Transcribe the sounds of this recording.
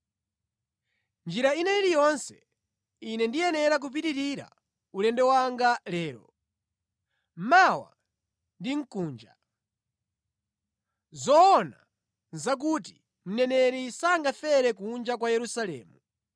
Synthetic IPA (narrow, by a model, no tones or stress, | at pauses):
nd͡ʒiɾainɛilijɔnsɛ | inɛndijɛnɛɾak̬up̬itiɾiɾa̰ | ulɛndɛwaŋɡalɛːɾɔ | mawa̰ | ndiŋ̩kuːnd͡ʒa | zɔːna | zak̬ut̬i̥ | m̩nɛnɛɾisaŋɡafɛɾɛkund͡ʒakwajɛɾusalɛ̰ːmu